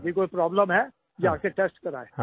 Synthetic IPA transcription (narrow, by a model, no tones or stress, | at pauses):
bʱikoːipɾɔːbləmɦɛ | d͡ʒaːkeʈeːsʈkɐɾa̰ːeː